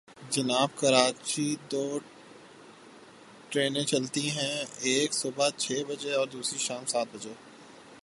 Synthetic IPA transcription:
d͡ʒɐnaːbkɐɾaːt͡ʃid̪oː | ʈɾeːnẽt͡ʃɐlt̪iɦɛ̃eːksʊbət͡ʃʰeːbɐd͡ʒeɔːɾd̪uːsɾiʃaːmsaːt̪̚bɐd͡ʒe

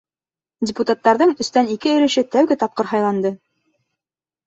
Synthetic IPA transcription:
dʲɪput̪at̪ːɑɾðɤɴɵ̆st̪ænikɘɵ̆ɾɵ̆ʃɘt̪æwɡɘt̪ɑp̚qɤɾɦɑjlˠɑnd̪ɤ

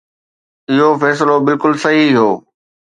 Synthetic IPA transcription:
ɪɦofɛːs̬ɪlobɪlkʊlsɐɦiɦoː

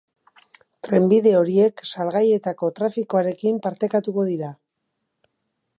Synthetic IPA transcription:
t̪ɾe̞mbiðe̞o̞ɾie̞ksaɾɣaje̞t̪ako̞t̪ɾafiko̞aɾe̞kimpaɾt̪e̞kat̪uko̞ðiɾa

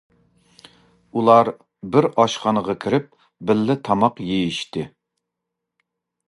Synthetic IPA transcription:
ulˠɑɾ | bɪɾɑʃχɑnəʁɑkʲʰiɾɪp̚ | bɪlːɪt̪ʰɑmɑqjejiʃt̪ɪ

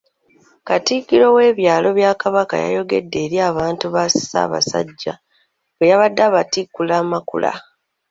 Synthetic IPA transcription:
katikːiɾo̞we̞ːβjaːlo̞βjaːkaβaka̰ja̰jo̞ɡe̞̰dːe̞ːɾiaːβaːntuβasi̥sa̰ːβa̰sa̰ɟːa | wejaβadːaːβatikːulaːmakṵla̰

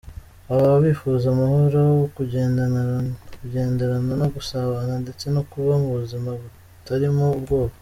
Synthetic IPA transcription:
aβaβaβiːfuːzamahoɾookuɟeːn | kuɟe̞ːnde̞ɾananoɡusaβanande̞t͡se̞no̞kuβamuβuzimaβu | taɾimuːbɡo̞ːβa

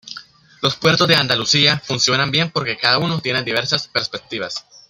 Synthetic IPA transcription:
lo̞spwe̞ɾt̪o̞zðd̪eand̪alusiafunsjo̞nambje̞mpo̞ɾke̞kaðauno̞t̪jened̪iβ̞e̞ɾsaspe̞ɾspe̞k̚t̪iβas

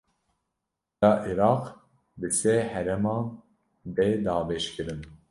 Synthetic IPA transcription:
ɑːʔiɾɑːq | bɨsɛhɛɾɛmɑːn | b̪ɛd̪ɑːbɛʃkɨɾɨn

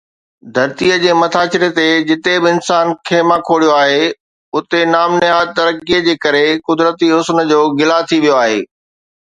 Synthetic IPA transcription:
d̪ʱɐɾt̪iəd͡ʑeːmɐt̪ʰaːt͡ɕɪɾet̪ed͡ʑɪt̪ebɪɪnsaːnkʰeːmãkʰoːɽijoaːɦe | ʊt̪enaːmnɪaːt̪ɐɾəkːiəd͡ʑeːkɐɾekʊd̪ɾət̪iɦʊsnə̆d͡ʑoːɡɪlat̪ʰiʋijoaːɦḛː

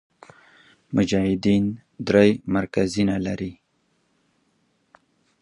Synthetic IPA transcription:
mʊd͡ʒɑhɪd̪in | d̪ɾajmaɾkazinalaɾi

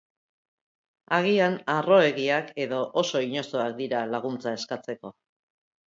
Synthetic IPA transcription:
aɣ̞ianaro̞e̞ɣiake̞ðo̞ʔoso̞iɲo̞so̞ak̚d̪iɾalaɣ̞unt͡sae̞skat͡se̞ko̞

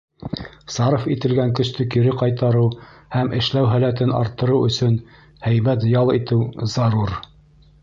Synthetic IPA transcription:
sɑɾofit̪ɘ̆lɡæŋkɵ̆ʃt̪ɵkiɾɘqɑjt̪ɑɾɤwhæmʔɘ̆ʃlæwɦælæt̪ɘnɑ̰ɾt̪ːɤ̆ɾɤwɵ̆sɵn | hæjmæt̪̬jɑlˠit̪ɘwzɑɾuɾ

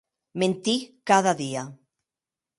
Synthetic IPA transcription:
mẽnt̪ikaðaðia

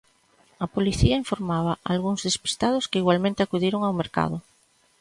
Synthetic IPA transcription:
apoliθiaiɱfoɾmaβ̞aʔalɣuŋzðespi̥st̪að̞oskeiɣwalmẽnt̪eakuðiɾoŋawmeɾka̰ð̞o

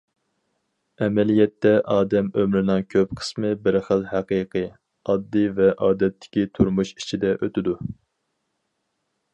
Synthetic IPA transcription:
ɛmɛlijɛt̪ːɛʔɑːd̪ɛmømɾɪnɨŋkʲʰøpqʰə̥smɨbɪɾχəlˠhæqɨqʰɨ | ɑd̪ːɨvɛʔɑːd̪ɛt̪ʰːɪ̥kʲit̪ʰuɾmuʃi̥t͡ʃʰid̪ɛʔøt̪ɪd̪u

